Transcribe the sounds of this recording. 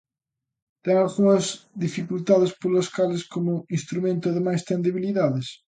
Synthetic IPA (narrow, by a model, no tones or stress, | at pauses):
t̪ɛŋalɣuŋɐzðifikult̪aðɪspolɐskalɪskomʊĩnst̪ɾumẽnt̪ʊðɪmajst̪end̪eβiliðaðɪs